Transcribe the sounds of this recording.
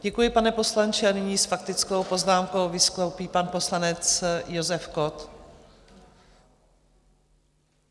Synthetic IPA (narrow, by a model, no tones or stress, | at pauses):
ɟɛkujɪpanɛpo̞slant͡ʃɪanɪɲiːsfak̚t̪ɪt͡sko̞wpo̞znaːmko̞wvɪsklowpiːpanpo̞slanɛt͡sjo̞zɛfkot̪